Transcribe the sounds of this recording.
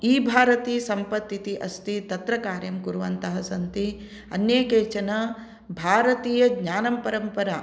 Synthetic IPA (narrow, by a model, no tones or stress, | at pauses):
iːbʱaːɾɐt̪iːsɐmpɐt̪ːit̪iʔɐst̪it̪ɐt̪ɾɐkaːɾjɐmkuɾuʋɐnt̪ɐɦɐsɐnt̪i | ɐnjeːkeːt͡ʃɐnɐ | bʱaːɾɐt̪iːjɐɡɲaːnɐmpɐɾɐmpɐɾa